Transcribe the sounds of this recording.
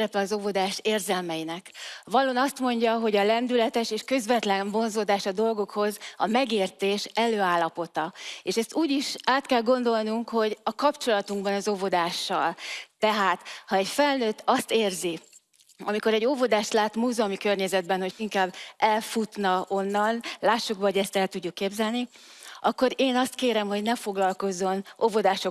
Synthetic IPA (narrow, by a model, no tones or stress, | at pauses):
ɾɛpɛɒzo̞vo̞d̪aːʃeːrzɛlmɛjinɛkvɒlonɒst̪mo̞ɲɟɒɦo̞ɟɒlɛnd̪ylɛt̪ɛʃeːʃkø̞zʋɛt̪lɛɱvo̞nzoːd̪aːʃɒd̪o̞lɡo̞kho̞zɒmɛɡeːrt̪eːʃɛløːaːlːɒpo̞t̪ɒeːʃɛst̪uːɟiʃaːt̪kɛlɡo̞nd̪o̞lnuŋkho̞ɟɒkɒpt͡ʃo̞lɒt̪uŋɡbɒnɒzo̞vo̞d̪aːʃːɒlt̪ɛɦaːt̪hɒɛcfɛlnøːt̪ːɒst̪eːrzi | ɒmiko̞ɾɛɟːo̞vo̞d̪aːʃt̪laːt̪muːzɛɒmikørɲɛzɛd̪bɛnho̞ciŋkaːbːɛlfut̪nɒo̞nːɒnlaːʃːukbɒɦoɟɛst̪ɛlt̪uɟːukːeːbzɛlni | ʔɒkːo̞ɾeːnɒst̪̚keːɾɛmho̞ɟnɛfo̞ɡlɒlko̞zːo̞novo̞d̪aːʃo